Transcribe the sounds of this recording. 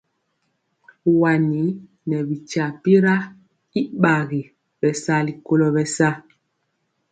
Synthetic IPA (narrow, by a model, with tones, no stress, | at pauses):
wa˨ni˨˦ | nɛ˨bi˨t͡ʃa˨pi˦ɾa˦ | i˦ɓa˨ɣi˨ | bɛ˨sa˦li˨ko˦lɔ˦bɛ˨sa˦